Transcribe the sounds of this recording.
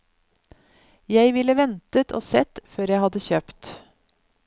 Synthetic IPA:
jæɪʋɪləʋɛnt̪ət̪ʰo̰ːsɛt̪føːɾjæɪhɑd̪əçøːpt̪

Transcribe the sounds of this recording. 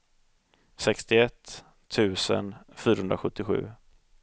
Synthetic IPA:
sɛkst̪ɪɛt̪ʰː | ʉ̟ːsə̰nfyːɾahɵnɾaɧɵt̪ːɪɧʉ̟̰ː

